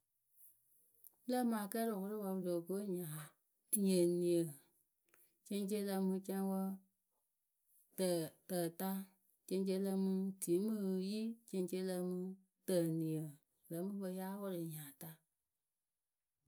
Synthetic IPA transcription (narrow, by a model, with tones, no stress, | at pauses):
lə˦mã˨kɛ˦lɔ˨wɔ˦ɾɨ˦wa˧bdo˨ko˨˦ɲã˨ | ɲẽ˨nĩ˨ə˨ | t͡ʃẽ˧˦t͡ʃe˦lə˧mũ˧t͡ʃã˧ĩ˧˦wɔ˧ | tə˨təː˨ta˦ | t͡ʃẽ˧˦t͡ʃ̬e˧˦lə˧mũ˧ti˨˦mɨ̃˦˧ji˦t͡ʃẽ˧˦t͡ʃe˧˦lə˧mũ˧ | tə˨nĩ˨ə˨ | lə˨˦mũ˦bə˧˦jaː˦wɔ˦ɾɨ˨ɲã˨ta˧